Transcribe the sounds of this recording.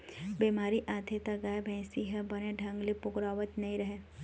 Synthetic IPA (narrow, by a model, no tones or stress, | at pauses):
biːmaːɾiʔaːd̪ʰʱet̪aɡaːjbʱɛ̃ːsiɦɛbɐneɖʱɐ̃ŋɡlipʊkɾaːʋət̪nɐɦĩɾɐɦe